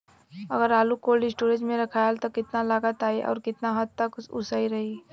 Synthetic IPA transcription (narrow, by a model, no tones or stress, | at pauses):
əɡəɾaːlukoːlisʈoːɾẽd͡ʒmẽɾɐkʰaːelt̪okɪt̪nalaɡət̪aːeʔɔ̰ːɾkɪt̪naɦəd̪t̪ːəksʊ̰səiɾɐɦi